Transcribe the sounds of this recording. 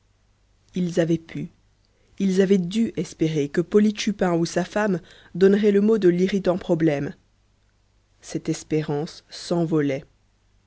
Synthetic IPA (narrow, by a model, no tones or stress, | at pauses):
ilzavɛpʰy | ilzavɛd̪yʔɛspeʁekəpɔliʃypɛ̃usafam | d̪ɔnʁɛləmod̪əliʁit̪ɑ̃pχɔblɛm | sɛt̪ɛspeʁɑ̃sːɑ̃vɔlɛ